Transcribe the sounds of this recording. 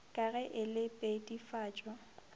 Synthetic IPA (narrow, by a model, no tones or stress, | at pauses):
kʼaɣɛʔɪlɪpʼedʼifaːt͡ʃʼɔ